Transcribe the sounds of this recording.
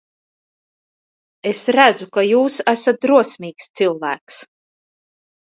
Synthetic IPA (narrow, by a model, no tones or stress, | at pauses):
e̞sɾæd̪zukajuːsæsat̪̚d̪ɾuɔsʲmiːkst̪sɨlˠvæ̰ːks